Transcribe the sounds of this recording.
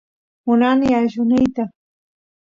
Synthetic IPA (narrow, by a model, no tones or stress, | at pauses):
mʊnanɪaʃʊnɪjt̪a